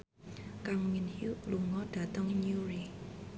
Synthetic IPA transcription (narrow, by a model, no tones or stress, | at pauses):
kaŋwinhjuʔluŋɔɖ̥ä̤t̪əŋnjuɾi